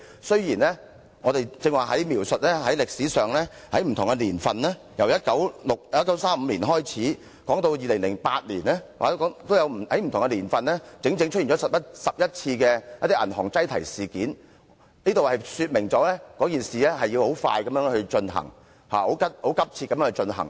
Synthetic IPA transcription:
sɵ˥ɥjiː˨˩nlɛ˥ | ŋɔː˨˧t̪e˨jt͡sɪ˧ŋwaː˨ɦɐ˨˥jmiː˨˩wsɵ˨t̚lɛː˥hɐ˨˥jlɪ˨k̚siː˨˥sœː˨˩ŋlɛː˥ | hɐ˨˥jm̩˨t̪ʰʊ˨ŋkɛ˧liː˨˩nfɐ˨nlɛː˥ | jɐ˨˩wjɐ˥t̚kɐ˨˥wlʊ˨k̚ːt̚kɐ˨˥wsaː˥m̩ː˨˧liː˨˩nɦɔː˥jt͡sʰiː˨˥ | kɔː˨˥ŋt̪o˧wjiː˨lɪ˨˩ŋlɪ˨˩ŋpaː˧t̚liː˨˩nɛː˥wa̰ː˨tkːŋt̪o˥wjɐ˨˧whɐ˨˥m̩˨t̪ʰʊ˨˩ŋkɛ˧liː˨˩nfɐ˨nlɛː˥t͡sɪ˨˥ŋt͡sɪ˧˥ŋt͡ʃʰɵ˥t̚i˨˩ɔ˨˦sɐ˨˩p̚jɐ˥t̚sɐ˨p̚jɐ˥t̚t͡sʰiː˧kɛː˧jɐ˥t̚t̪i˥ʔɐ˨˩nɦɔː˨˩ŋt͡sɐ˥jt̪ʰɐ˨˩jsiː˨kiː˨˥n | niː˥t̪o˨whɐ˨jsyː˧t̚mɪ˨˩ŋt͡sɔː˨˥lɛː˥kɔː˨˥kiː˨nsiː˨lɛː˥ɦɐ˨ji˧who˨˥wfa̰ː˧jkɐ˨˦mjœː˨˥ŋhɵ˧ɥt͡ʃɵ˧nɦɐ̰˨˩ŋ | ha̰ː˨ho˨˥wkɐ˥t̚ho˨˥wkɐ˥p̚t͡sʰi˧t̚kɐ˨˦mjːhːt͡ʃɵ˧nɦɐ̰˨˩ŋ

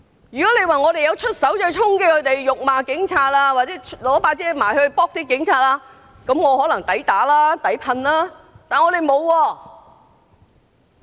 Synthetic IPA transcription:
jyː˨kɔ˨˥le˨˧jwaː˨ŋɔː˨˧t̪e˨jɐ˨˧wt͡ʃʰɵ˥t̚sɐ˨˥wt͡sɵ˧jt͡sʰʊ˥ŋkɛː˧kʰɵ˨˧˥t̪e˨jjʊ˨k̚maː˨˧kɪ˨˥ŋt͡sʰaː˧t̚laː˧waː˨˩t͡sɛː˨˥lɔː˨˥paː˧t͡sɛː˨˥maː˨˩jhɵ˧ɥpɔː˥k̚t̪iː˥kɪ˨˥ŋt͡sʰaː˨˧t̚laː˧ | kɐ˨˥mŋɔː˨˧hɔ˨˥lɐ˨˩ŋt̪ɐ˨˥jt̪aː˨˥laː˥t̪ɐ˨˥jpʰɐ˧nlaː˥t̪aː˨nŋɔː˨˧ɾe˨jmo˨˧wwɔː˧

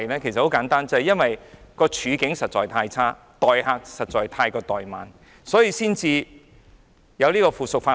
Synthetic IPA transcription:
lɛː˥kʰe˨˩jsɐt̚ho˨˥wkaː˨˥nt̪aː˥nt͡sɐ˨˧hɐ˨jɐ˥nwɐ˨jkɔː˧t͡ʃʰyː˨˧kɪ˨˥ŋsɐ˨t̚t͡ʃɔː˨˩jt̪ʰaː˧jt͡sʰaː˥ | t̪ɔː˨jhaː˧k̚sɐ˨t̚t͡ʃɔː˨jt̪ʰaː˧jkɔː˧t̪ɔː˨jma̰ː˨n | sɔː˨˥jiː˧siː˥nt͡siː˧ | jɐ˨˧wliː˥kɔː˧fuː˨˩sʊ˨k̚faː˧

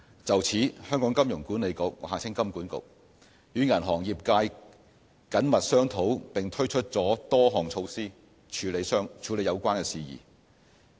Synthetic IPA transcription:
t͡sɐ˨˩wt͡sʰiː˨˥hœː˥ŋkɔː˨˥ŋkɐ˥mjʊ˨˩ŋku˨˥ne˨˧jkʊ˨k̚aː˨t͡sʰɪ˥ŋkɐ˥mkuː˨˥nkʊ̰˨˩k̚ | jyː˨˧ŋɐ˨˩nɦɔː˨˩ŋjiː˨p̚kaː˧j | kɐ˨˥nmɐ˨t̚sœː˥ŋt̪ʰo˨˥wpɪ˨ŋt̪ʰɵ˥ɥt͡ʃʰɵ˥t̚t͡sɔː˨˥t̪ɔː˥ɦɔː˨ŋt͡ʃʰo˧wsiː˥ | t͡ʃʰyː˨˧le˨˧jsœː˥ŋt͡ʃʰyː˨˧le˨˧jɐ˨˧wkʷaː˥nkɛ˧siː˨jḭː˨˩

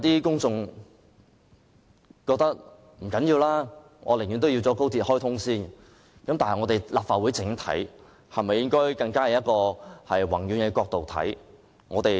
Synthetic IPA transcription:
t̪iː˥kʊ˥ŋt͡sʊ˧ŋ | kɔː˧k̚t̪ɐ˥k̚ | m̩˨˩kɐ˨˥njiː˧wlaː˥ | ŋɔ̰ː˨˧lŋy˨nt̪o˥wji˧wt͡sɔː˨˥ko˥wt̪ʰi˨˥t̚hɔː˥jt̪ʰʊ˥ŋsiː˥˩n | kɐ˨˥mt̪aː˨nɐ˨jŋɔː˨˧t̪e˨˩jlaː˨pfaː˨wuː˨˥jt͡sɪ˨˥ŋ˥t̪ʰɐ̰˨˥j | hɐ˨jmɐ˨jɪ˥ŋkɔː˥jkɐ˧ŋkaː˥hɐ˨˧jɐ˥t̚kɔː˧hɐ˨jwɐ˨˩ŋjyː˨˥nɛ˧kʷɔː˧k̚t̪o˨wt̪ʰɐ̰˨˥j | ŋɔ̰ː˨˧t̪e˨j

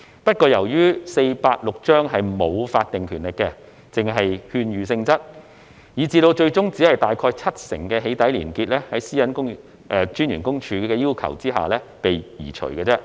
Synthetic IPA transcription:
pɐ˥t̚kɔː˧jɐ˨˩wjyː˥se˧jpaː˧t̚lʊ˨k̚t͡ʃœː˥ŋɦɐ˨jmo˨˧wfaː˧t̚t̪ɪ˨ŋkʰyː˨˩nlɪ˨˩kːɛ˧ | t͡sɪ˨ŋɦɐ˨jhyː˧nɥyː˨˩s̬ɪ˧ŋt͡sɐ˥t̚ | jiː˨t͡siː˧lo˧wt͡ʃɵ˧ɥt͡sʊ˥ŋt͡siː˨˥hɐ˨jt̪aː˨jkʰɔː˧jt͡sʰɐ˥t̚sɪ̰˨˩ŋkɛː˧ɦe˨˥jt̪ɐ˨˥jliː˨˩nkiː˧t̚lɛː˥hɐ˨˥jsiː˥jɐ˨˥nkʊ˥ŋ | ʔɛː˨˧t͡ʃyː˥njɥyː˨˩kʊ˥ŋt͡ʃʰyː˨˧kɛː˧jiː˥wkʰɐ̰˨˩wt͡siː˥ɦa̰ː˨lɛː˥pe˨jjiː˨˩t͡ʃʰɵ̰˨˩ɥkɛː˧t͡sɛː˥

